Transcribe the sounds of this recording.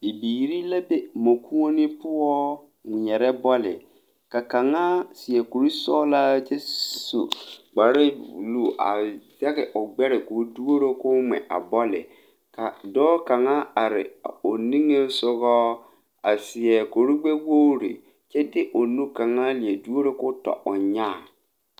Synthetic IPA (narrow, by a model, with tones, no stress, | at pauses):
bi˨biː˨ɾi˦la˦be˦mo˨kʰu˦o˦nɪ˦pʊ˦ɔ˦˨ | ɲɛ˨ɾɛ˦bɔ˦lɪ̰˨ | ka˨ka˨ŋa˦sɪ˨ɛ˨ko˨ɾi˦sɔː˦la˦t͡ʃɛ˦sṵ˨ɡ͡ba˨ɾɪ˦u˨lu˦˨ʔa̰˨za˦ɣɪ˨ʔʊ˨ɡ͡bɛ˦ɾɪ˨ko˨˦du˦o˦ɾo˦kʊ˦mɛ̰˨ʔa̰˨bɔ˦lɪ̰˨ | ka˨dɔː˦ka˨ŋa˦a˨ɾɪ̰˨o˨ni˦ŋe˦sʊ˦ɣɔː˦ | a˨sɪ˨ɛ˨ko˨ɾi˦ɡ͡be˦wo˦ɾḭ˨ | t͡ʃɛ˦dɪ˦ʔo˨nũ˦ka˨ŋa˦li˨e˨du˦o˦ɾo˦kʊ˦tɔ̰˨ʔʊ˨ɲaː˦˨